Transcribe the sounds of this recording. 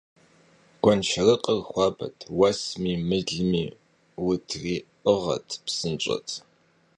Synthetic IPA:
ɡ̥ʷɐnʃɐrɨqʼərχʷɑːbɐ̰tʰwɐsmiːmɨɮmiː | wʊtʰriːʔəʁɐ̰tʰpsɨnt͡ʃʷʼɐ̰tʰ

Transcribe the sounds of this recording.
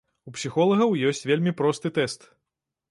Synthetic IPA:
upsʲixɔlˠɐɣɐwjɔsʲt͡sʲvʲelʲmʲipɾɔst̪ɨt̪ɛst̪

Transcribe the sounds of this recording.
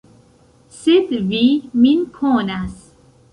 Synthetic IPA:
sed̪viːminkʰonas

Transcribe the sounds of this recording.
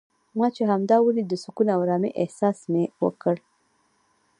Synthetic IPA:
mɑt͡ʃeɦamd̪ɑwəlid̪əsukunawɾɑmḭʔɪhsɑsmewə̰kəɽ

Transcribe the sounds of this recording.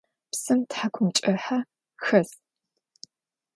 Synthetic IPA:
psɨmtħakʷʰʊmt͡ʃʼɐħa | xɐs

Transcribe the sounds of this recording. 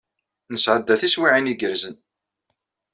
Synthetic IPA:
nəsʕəd̪ːæθiswiʕiniɡəɾzən

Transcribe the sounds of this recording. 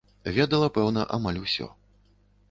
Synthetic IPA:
vʲɛd̪ɐlˠɐpɛwnɐʔamalʲusʲɔ̰

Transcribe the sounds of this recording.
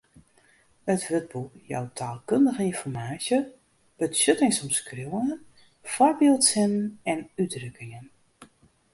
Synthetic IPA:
ətʋøt̚bujɔ̰wtʰaːlˠkøndəɣəinfɔrmaːsjə | b̥əsøtɪŋsɔmskrewən | fɔrbeːlˠtsɪnnɛnyddrøkɪŋən

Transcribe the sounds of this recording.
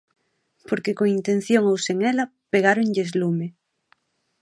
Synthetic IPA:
poɾkekoŋint̪ẽn̟θjoŋowseŋelapeɣ̞aɾoŋʎezlume

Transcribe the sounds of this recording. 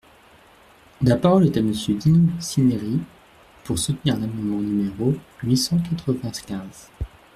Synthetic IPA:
lapaʁɔlɛt̪aməsjød̪inosineʁi | puʁsut̪niʁɛ̃namɑ̃nmɑ̃nymeʁoɥisɑ̃kat̪χəvɛ̃kʲɛ̃z̥

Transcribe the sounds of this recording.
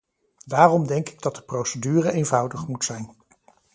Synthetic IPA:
daːrɔmdɛŋkɪɡ̚dɑt̚dəprowsədyːrəejnvʌwdəχmutsɛjn

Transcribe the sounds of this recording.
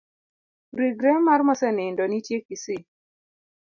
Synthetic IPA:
ɾiɡɾɛmarmɔsɛnɪndɔnitjekisɪ

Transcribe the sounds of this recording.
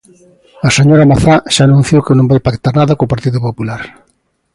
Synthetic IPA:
ɐseɲoɾɐmaθaʃaːnũn̟θjowkɪnõmbajpakt̪aɾnaðɐkoːpaɾt̪iðʊpopulaɾ

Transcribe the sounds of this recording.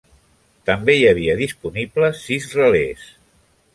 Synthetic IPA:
t̪əmbeiəβ̞iəðispunibləsːizrəles

